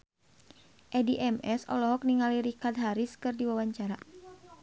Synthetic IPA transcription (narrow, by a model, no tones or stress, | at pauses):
ʔɛdiʔɛmɛsɔ̰lɔɦɔk̚niŋaliɾikard̪̚ɦaɾiskɨrdiwawaɲt͡ʃaɾa